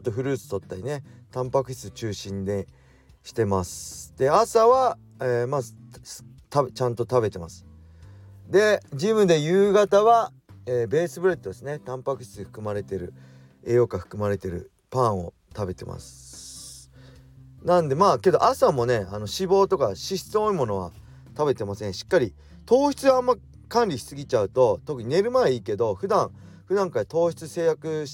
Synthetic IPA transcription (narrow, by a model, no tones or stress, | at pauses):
t̪ːoɸɯ̟ɾɯ̟ːt͡sɨ̥t̪o̞t̪ːaɾʲinet̪ãmpakɯ̟ɕi̥t͡sɨt͡ɕɨːɕĩnd̪e̞ | ɕi̥t̪e̞masɨ̥d̪̥e̞asaβa | eːmazɨs | t̪at͡ɕãnt̪o̞t̪abe̞t̪e̞masɨ̥ | d̪e̞d͡ʑimɯ̟d̪e̞jɯːɡat̪aβa | eːbe̞ːsɨbɯ̟ɾe̞t̪ːod̪esɨne̞t̪ãmpakɯ̟ɕi̥t͡sɨɸɯ̟̥kɯ̟maɾe̞t̪e̞ɾɯ̟ | eːjo̞kaɸɯ̟̥kɯ̟maɾe̞t̪e̞ɾɯ̟̰ | pãɰ̃o̞̰ | t̪abe̞t̪e̞̰ma̰sɨ̥ | nãnd̪e̞maːke̞d̪o̞̰ʔasamo̞ne̞ano̞ɕibo̞ːt̪o̞kaɕiɕi̥t͡sɨo̞imo̞no̞β̞a̰ | t̪abe̞t̪e̞masẽ̞ɰ̃ɕi̥kːaɾʲi | t̪o̞ːçi̥t͡sɨãːmːa | kãnʲɾʲiçi̥sɨɡʲit͡ɕaɯ̟t̪o̞t̪o̞kɯ̟ɲ̟ine̞ɾɯ̟maeiːke̞d̪o̞ɸɯ̟d̪ãɰ̃ | ɸɯ̟d̪ãŋkajat̪o̞ːçi̥t͡sɨse̞ːjakɯ̟